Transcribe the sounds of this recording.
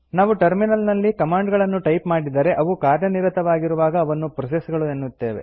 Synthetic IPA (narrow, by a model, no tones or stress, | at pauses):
naːʋuʈɐɾminɐlnɐlːikɐmaːɳɖɡɐɭɐnːuʈɐjpmaːɽid̪ɐɾe̞ʔɐʋukaːɾjɐniɾɐt̪ɐʋaːɡiɾuʋaːɡɐːʋɐnːupɾɐs̬esɡɐɭuenːut̪ːe̞ːʋe̞̰